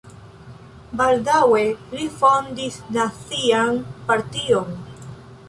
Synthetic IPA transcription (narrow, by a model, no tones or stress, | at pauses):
baldawe̞lifo̞ndisnat͡sianpaɾtion